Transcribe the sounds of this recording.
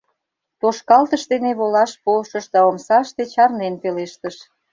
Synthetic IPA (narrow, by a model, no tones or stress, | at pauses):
t̪oʃkɑlt̪əʃd̪eneβolɑʃpolʃəʃd̪ɑomsɑʃt̪et͡ɕɑrnenpeleʃt̪əʃ